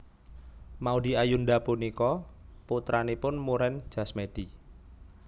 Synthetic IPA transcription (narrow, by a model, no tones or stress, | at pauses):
maud̪i̤ajunɖapunikɔput̪ɾanipʊnmuɾɛn̥ʒ̥a̤smed̪̥i